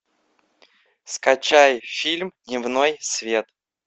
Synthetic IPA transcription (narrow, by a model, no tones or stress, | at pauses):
skɐt͡ɕajfʲilʲmdnʲɪvnojsvʲe̞t̪